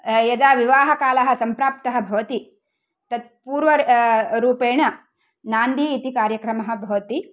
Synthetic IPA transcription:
jɐd̪aːʋiʋaːɦɐkaːlɐɦɐ̆sɐmpɾaːp̚t̪ɐɦɐ̆bʱɐʋɐt̪i | t̪ɐd̪̚puːɾʋɐɾuːpeːɳɐ | naːnd̪iːt̪ikaːɾjɐkɾɐmɐɦɐ̆bʱɐʋɐt̪i

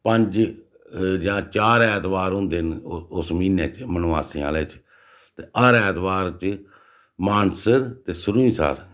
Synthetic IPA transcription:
pəɲd͡ʒ | d͡ʒãːt͡ʃaːɾɛːt̪ʋaːɾɦʊ̃nd̪enʊsmiːnḛːt͡ʃmənaːsĩːa̰ːleːt͡ʃ | t̪eːʔəɾɛːt̪baːɾt͡ʃ | maːnsəɾt̪eːsʊɾuĩːsa̰ːl

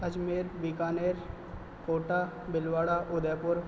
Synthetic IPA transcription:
ɐd͡ʒmeːɾbiːkaːneːɾ | koːʈaː | bɪlʋaːɽaːʔʊd̪ɛːpʊɾ

